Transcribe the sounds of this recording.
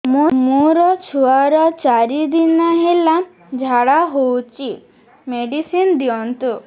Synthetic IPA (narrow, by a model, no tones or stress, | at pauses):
mumũɾɔt͡ʃʰuaɾɔt͡ʃaɾid̪inaɦela | d͡ʒʱaɽaɦowt͡ʃi | meɖisind̪iɔnt̪u